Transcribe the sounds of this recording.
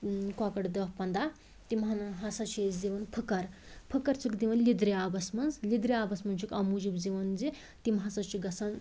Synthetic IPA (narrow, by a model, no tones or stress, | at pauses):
kakɐɽd̪ɐhpɐnd̪a | t̪imɦɐnɦasɐt͡ʃʰezd͡ziʋɐnpʰəkɐɾpʰəkɐɾt͡sʰikd̪iʋɐnlid̪ɾiabɐsmɐnzlid̪ɾiaːbɐsmɐnt͡ʃʰikɐmud͡ʒibd͡ziʋɐnd͡zi | t̪imɦɐsɐt͡ʃiɡɐsɐn